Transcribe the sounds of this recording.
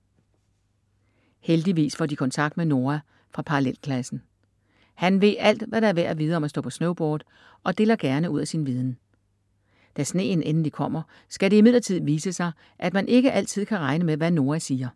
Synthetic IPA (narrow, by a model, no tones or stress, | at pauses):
held̥iʋḭːsfɒd̥ikʰɒ̽nt͡sʰɑ̈ɡ̥̚d̥̚meno̝ːɐæ | fʁɑ̈pʰɑ̈ɑlel̰kʰlæsn̩ | hænʋe̝ðˠæl̰d̥ʋæɾɑ̈æɐʋæɐ̰æʋiːð̞ˠəɒ̽mæsd̥ɔ̰̽ːpʰɒ̽snoʊb̥ɔːð̥ˠ | ʔɒ̽d̥e̝ːlɐɡ̥æɐnəuð̞̰ˠæsinʋiːð̞ˠn̩ | d̥æsne̝̰ːn̩enn̩d̥ikʰɒ̽m̰ɐ | sɡ̥æɾe̝imið̞̰ˠlˠɐt͡sʰið̞̰̩ˠʋiːsəsɑ̈ɪ | ʔæd̥mænʔe̝ɡ̥əʔæl̰t͡sʰið̞̰ˠkʰæʁɑ̈ɪnəmeʋæno̝ːɐæsiːɐ